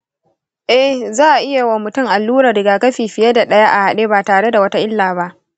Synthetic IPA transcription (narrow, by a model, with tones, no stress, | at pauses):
ʔɛ˦hzaː˦ʔa˨ʔɪ˦ja˨wa˨mʊ˨tʊ˦˨ŋʔa˨lːuː˦ɾaː˨dɪ˨ɡaː˨kɐ˦ɸiː˨ɸɪ˨je˦da˨ɗɐ˦ja˦ʔa˨ha˨ɗeː˦baː˨taː˨ɽe˦da˨wɐ˦ta˦ʔɪ˦lːaː˨ba˦ʔ